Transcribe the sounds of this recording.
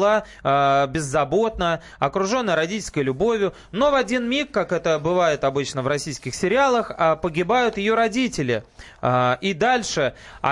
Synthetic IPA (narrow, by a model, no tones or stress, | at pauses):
lˠa | bʲɪzːɐbo̞t̪nə | ɐkɾʊʐo̞nːəjɾɐdʲitʲɪlʲsʲkəjlʲʊbo̞vʲjʊ | no̞vɐdʲinmʲikːakɛt̪əbɨvajɪt̪ɐbɨt͡ɕnəvrɐsʲijskʲɪxsʲɪɾʲɪalˠəxpəɡʲɪbajʊt̪jɪjo̞ɾɐdʲitʲɪlʲɪ | id̪alʲʂɨɐ̰